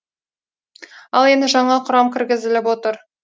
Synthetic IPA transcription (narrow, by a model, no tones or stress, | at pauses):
ɑlˠe̞nd̪ɪʒɑɴɑqʰʊɾɑmkʲʰɪɾɡʲɪzɪlɪpwo̞t̪əɾ